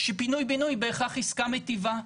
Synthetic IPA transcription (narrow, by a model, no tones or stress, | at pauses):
ʃepinujbinujbeːχaχiskamet̪iva